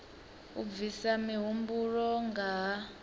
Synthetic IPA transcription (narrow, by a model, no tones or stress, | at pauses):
ṵvisamiɦumburɔŋɡa